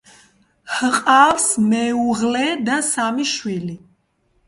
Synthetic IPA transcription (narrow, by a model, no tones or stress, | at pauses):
hqʼafsmɛuʁlɛd̪asamiʃwili